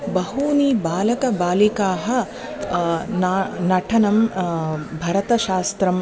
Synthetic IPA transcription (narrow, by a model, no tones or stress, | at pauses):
bɐɦuːniːbaːlɐkɐbaːlikaːɦɐ | nːnɐʈʰɐnɐm | bʱɐɾɐt̪ɐʃaːst̪ɾɐm